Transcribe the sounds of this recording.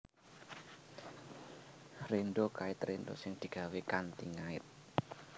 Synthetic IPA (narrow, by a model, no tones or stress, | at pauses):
renɖokaɪt̪rend̪o̰sɪŋd̪̥i̤ɡ̥a̤wekant̪ḭŋaɪ̰t̪̚